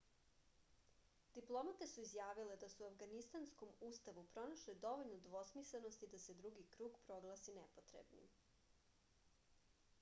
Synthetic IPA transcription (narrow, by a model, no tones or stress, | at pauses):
d̪̥iplˠo̞mat̪e̞suizjaːʋiled̪asuafɡanist̪ansko̞muːst̪aʋupɾo̞naʃled̪o̞ʋoʎnod̪ʋo̞smisleno̞st̪id̪ase̞d̪ɾuɡikɾuːɡpɾo̞ɡlˠasinɛpot̪ɾḛbnḭm